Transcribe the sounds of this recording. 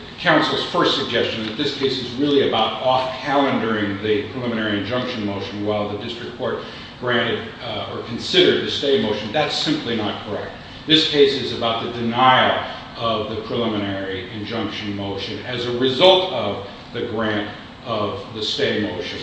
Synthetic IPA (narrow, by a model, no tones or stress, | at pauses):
kʰãʊ̃nsl̩ˠz̥fɜ˞stsɨɡ̚d͡ʒɛst͡ʃɨ̃n̩ðɨt̪̚ðɪskʰeɪsɨzɹɪlˠiɨbaʊɾɔfkʰælˠɨ̃ndə˞ɪ̃ŋðɨpʰɹ̥ɨlɪ̃mɨnɛɹiɨ̃nd͡ʒʌ̃ŋkʃɨ̃nmoʊʃɨ̃nwaɪlˠðɨdɪstɹ̥ɨk̚kʰɔɹt̚ | ɡ̥ɹæ̃ñɨɾ | ə˞kʰn̩sɪɾə˞d̪̚ðɨsteɪmoʊʃɨ̃n̩ðætsɪ̃mplinət̚kʰə˞ɛk̚t̪̚ | ðɪskʰeɪsɨzɨbaʊt̪̚ðɨdɨnaɪl̩ˠ | ʌvðɨpʰɹ̥ɨlɪ̃mɨñɛɹiɨ̃nd͡ʒʌ̃ŋkʃɨ̃nmoʊʃɨ̃nɨzɨɹɨzʌlˠtʌv | ðɨɡɹæ̃nt | ʌvðɨsteɪmoʊʃɨ̃n